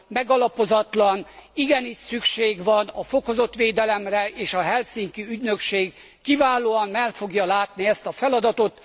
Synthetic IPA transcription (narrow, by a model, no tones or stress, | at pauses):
mɛɡɒlɒpo̞zɒt̪lɒniɡɛniʃsykʃeːɡʋɒnɒfo̞ko̞zo̞t̪ʋeːd̪ɛlɛmrɛeːʃɒɦɛlsiːŋkyyɟnøkʃeːɡː | ivaːloːɒmmɛlfo̞ɡjɒlaːt̪niɛst̪ɒfɛlɒd̪ɒt̪o̞t̪